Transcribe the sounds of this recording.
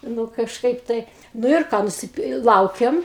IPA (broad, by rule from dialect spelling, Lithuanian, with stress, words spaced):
ˈnʊ kɐʃˈkɐɪp ˈtɐɪ nʊ ɪr ˈkɑː nʊsʲɪˈpʲɪ ˈlˠɐʊkʲɛm